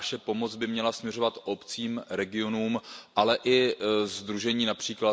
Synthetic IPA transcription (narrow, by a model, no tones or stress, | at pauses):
ʃɛpo̞mo̞d͡zbɪmɲɛlasmɲɛr̝o̞vat̪ʔopt͡siːmɾɛɡɪo̞nuːmʔalɛʔɪzd̪ɾuʒɛɲiːnapr̝̥iːkla